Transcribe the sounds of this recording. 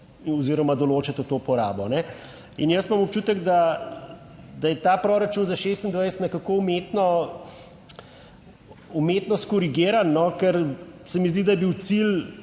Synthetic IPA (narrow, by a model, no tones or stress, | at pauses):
ɔziɾɔmad̪ɔloːt͡ʃat̪ɔt̪opɔɾa̰ːbɔnɛ | ḭnjəst̪mamɔp̚t͡ʃuːt̪əɡd̪a | d̪ajɛt̪aːpɾoːɾat͡ʃuːnzaʃeːst̪ind̪ʋajst̪nɛkakoumeːt̪nɔ | umeːt̪nɔst̪̚kɔɾiɡeːɾanːɔkɛɾsɛmizd̪id̪ɐjɛbiwt̪sil